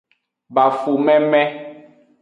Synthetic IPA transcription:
ba˨fu˨mɛ̃˦mɛ̃˦

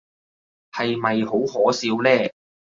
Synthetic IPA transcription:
hɐ˨jmɐ˨jho˨˥whɔː˨˥siː˨˥wlɛː˥˩

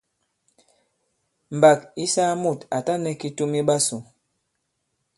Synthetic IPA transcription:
m̩˨ba˨ki˦sa˦mu˦˨ta˨ta˦nɛ˦ki˦tu˦mi˦ɓa˦su˨

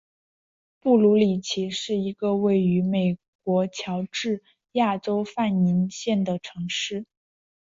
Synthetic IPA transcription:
pu˥˩lu˧˥li˨˩t͡ɕʰi˧˥ʂɻ̩˥˩i˧˥ɡə˧we˥˩ɪy˧˥me˨˩ɪ | kwɔ˧˥t͡ɕʰjɑ˧˥ʊʈ͡ʂɻ̩˥˩ | ja˥˩ʈ͡ʂo˥ʊfa˥˩ni˧˥nɕjɛ˥˩nd̪ə˩ʈ͡ʂʰɤ˧˥ŋʂɻ̩˥˩

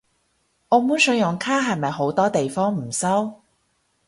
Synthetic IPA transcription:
ɔː˨˧muː˨˥nsɵ˨˧ŋjʊ˨˩ŋkʰaː˥ɦɐ˨jmɐ˨jɦo˨˥wt̪ɔː˥t̪e˨jfɔː˥ŋm̩˨˩sɐ˥w

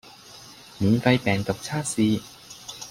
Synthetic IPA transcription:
miː˨˥nfɐ˧jpɛː˨˩ŋt̪o˨˩k̚t͡sʰaː˥˩siː˧

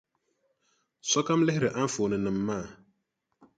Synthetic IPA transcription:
sɔ˦ka˦m˦lɛ˦hɾɛ˨ʔa˦ɱ̩˦fo˨nɨ̃˨nɨ˨m̩˨mːa˦˨

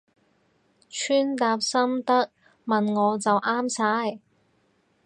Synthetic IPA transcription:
t͡ʃʰyː˥nt̪aː˧p̚sɐ˥mt̪ɐ˥k̚ | mɐ˨nŋɔː˨˧t͡sɐ˨wʔaː˥msaː˧˥j

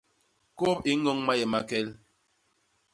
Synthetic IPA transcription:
ko˦˨pi˦ŋɔ˦ŋma˦jɛ˨ma˦kɛ˦l

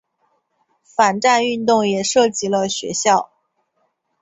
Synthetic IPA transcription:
fa˨˩nʈ͡ʂa˥˧ny˥˧nt̪ʊ˥˩ŋjɛ˨˩ʂɤ˥˩t͡ɕi˧˥lə˧ɕɥɛ̰˧˥ɕjɑ˥˩ʊ

